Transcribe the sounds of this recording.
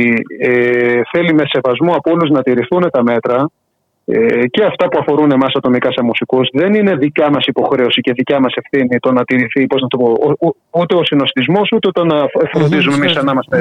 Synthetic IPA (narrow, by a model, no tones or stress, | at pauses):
eθe̞lime̞se̞vɐzmuɐpooluznɐt̪iɾiθune̞t̪ɐme̞t̪ɾɐ | ece̞ɐft̪ɐpuɐfo̞ɾunemɐsɐt̪o̞mikɐsɐmusikuzðe̞nine̞ðicɐmɐsipo̞xɾe̞osice̞ðicɐmɐse̞fθinit̪o̞nɐt̪iɾiθipoznɐt̪opo | ut̪e̞osino̞st̪izmo̞sut̪eot̪ɐnɐfɾo̞nd̪izumemisɐnɐmɐst̪e